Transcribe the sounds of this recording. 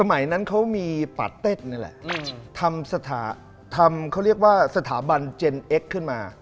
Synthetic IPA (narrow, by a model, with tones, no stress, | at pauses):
sa˧ma˩˦jna˦˥nkʰa˦˥wmiː˧pa̰˨˩t̪ːe˥˩t̪̚na˦˥˩lɛ̰˨˩ʔt̪ʰa˧msa˧t̪ʰa̰ː˩˦ | t̪ʰa˧mkʰa˥˩ɾi˥˩ək̚waː˥˩sa˧t̪ʰaː˩˦ba˧nt͡ɕe˧nʔe˦˥kʰːɯ˥˩nmaː˧